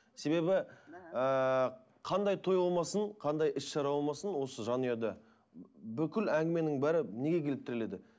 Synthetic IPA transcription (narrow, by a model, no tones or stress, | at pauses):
se̞be̞bɪə | qʰɑnd̪ɑjt̪ʰo̞jɑlˠmɑsəɴqʰɑnd̪ɑjʔɪsʃɑɾɑwɑlˠmɑsənwo̞səʒɑnijɑd̪ɑ | bʏkʲɪlæŋɡʲɪme̞nɪŋbæɾɪne̞ɡʲe̞kʲʰe̞lɪp̚t̪ɪɾɪle̞d̪ɪ